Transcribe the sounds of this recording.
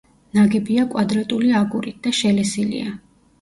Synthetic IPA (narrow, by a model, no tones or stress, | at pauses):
naɡɛbiakʼwad̪ɾat̪ʼuliaɡuɾit̪̚d̪aʃɛlɛsilḭa